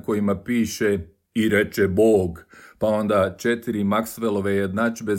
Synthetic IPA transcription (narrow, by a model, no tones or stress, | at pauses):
ko̞jimapiːʃe | iɾe̞t͡ʃebo̞ːɡpao̞nd̪at͡ʃet̪iɾimaksʋelˠo̞ʋejed̪nat͡ʃbe̞